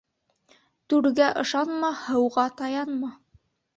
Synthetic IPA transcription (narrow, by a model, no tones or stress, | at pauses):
t̪ʉɾɡæʔɤ̆ʃɑnmɑhɤ̆wʁɑt̪ɑjɑnmɑ